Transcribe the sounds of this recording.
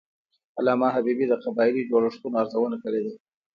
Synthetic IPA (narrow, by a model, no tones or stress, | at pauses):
alɑmɑɦabibid̪əqabɑɪlid͡ʒoɽaʂt̪unoaɾzawənakəɽed̪a